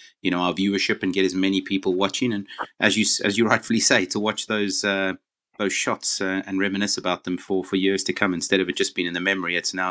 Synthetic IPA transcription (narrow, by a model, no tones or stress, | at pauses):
jɨñoʊaʊəvjʉə˞ʃɪpɨ̃nɡɛɾɨzmɛñipʰipl̩ˠwɑt͡ʃɪ̃ŋɨ̃nʔɨzjɨsɨ̰zjɨɹaɪtfl̩ˠiseɪɾʰəwɑt͡ʃðoʊzʌ | ðoʊz̥ʃɑtsʌɨ̃nɹɛmɨnɨsəbaʊt̪̚ðə̃ɱfə˞fə˞jɪɹz̥tʰɨkʰʌ̃mɨ̃nstɛɾʌvɨ̥d͡ʒ̥ʌsb̥ĩñɨ̃nðɨmɛmə˞iɨtsnaʊ